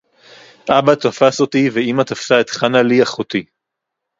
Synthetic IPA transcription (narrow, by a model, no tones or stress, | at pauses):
ʔabat̪afaso̞t̪iveimat̪afsaet̪χanaliaχot̪i